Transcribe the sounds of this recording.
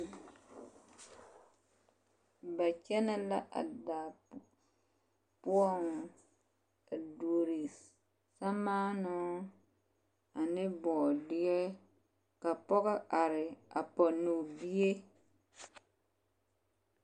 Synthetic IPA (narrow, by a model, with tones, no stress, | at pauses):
ba˨t͡ʃɛ˦na˦la˦ʔa̰˨daː˨ | pu˦ɔ˦n˨ | do˨ɾi˨ | sa˦maː˦nɔ˦ | a˨nɪ˦bɔː˨dɪ˦jɛ˦ | ka˨pɔ˦ɣɛ˦ʔa˨ɾɪ˨a˨pɔ˨nu˨bi˦e˦